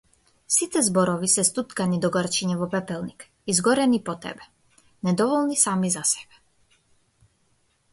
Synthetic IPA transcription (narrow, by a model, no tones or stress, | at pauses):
sit̪ɛzbɔɾɔvisɛst̪ut̪kanid̪ɔɡəɾt͡ʃiɲɛvɔpɛpɛlˠnik | izɡɔɾɛnipɔt̪ɛ̰bɛ | nɛd̪ɔvɔlˠnisamizasɛ̥bɛ̥